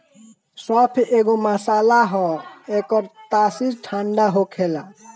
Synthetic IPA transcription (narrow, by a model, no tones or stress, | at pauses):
sɔpʰeɡomasalaɦɔ̃ekɔɾt̪asizʈʰaɳɖaɦokʰela